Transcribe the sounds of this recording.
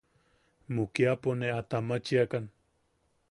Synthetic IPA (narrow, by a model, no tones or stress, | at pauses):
mʊkjaponeat̪amat͡ʃiakan